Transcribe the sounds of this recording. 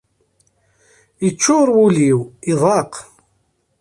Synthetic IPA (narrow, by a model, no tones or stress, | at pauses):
ət͡ʃːʊɾˤwuliwiðˤɑq